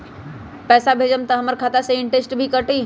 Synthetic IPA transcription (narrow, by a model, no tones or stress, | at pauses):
pɛːsabʱeːd͡ʒəmt̪ɐɦəməɾkʰaːt̪aseɪ̃ɳʈesʈbʱikəʈi